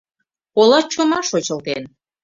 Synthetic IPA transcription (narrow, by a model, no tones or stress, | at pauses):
polɑt͡ɕomɑʃot͡ɕəlt̪en